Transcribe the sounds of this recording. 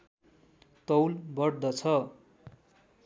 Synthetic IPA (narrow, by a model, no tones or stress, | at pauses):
t̪ʌwlbʌɽd̪ʌt͡sʰʌ